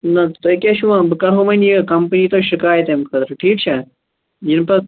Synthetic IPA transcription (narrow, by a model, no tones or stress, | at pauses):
nɐt̪oekʲeʃuãbɨkɐɾɦomɐnikɐmpniːt̪oːʃɪkaːjət̪emkʰɐt̪ɾɐʈʰiːk̚t͡ʃʰe | jinpɐ